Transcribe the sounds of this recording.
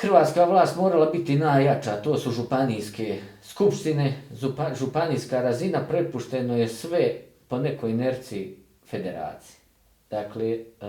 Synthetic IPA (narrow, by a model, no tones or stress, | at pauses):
xr̩ʋaːt̪skaʋlˠaːst̪moːɾalabit̪inajat͡ʃat̪o̞ːsuʒupanijske̞skupʃt̪ineupaʒupaniːskaɾazinapɾe̞puʃt̪e̞nojesʋe̞ | po̞ne̞ko̞jneɾt̪sii | fe̞d̪e̞ɾa̰ːt̪si̥je̥ | d̪̥akle